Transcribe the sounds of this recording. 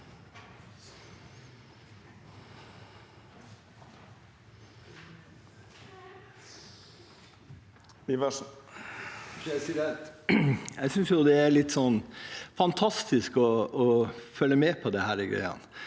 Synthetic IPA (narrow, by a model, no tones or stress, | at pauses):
iʋə | æɪsiːɾɛ | æɪsʏnsjʊd̪ɛæɾɭɪt̪ːsɔnːfɑnt̪ʰɑst̪ɪskɔː | fœlːəmeːpʰɔd̪ɛhæːɾɪɡɾæ̰ɪɑ̰n